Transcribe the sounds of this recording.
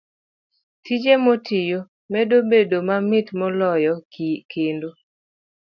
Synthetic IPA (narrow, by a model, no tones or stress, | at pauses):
tid͡ʒemɔtɪjo | mɛdobedomamɪtmɔlɔjɔkendo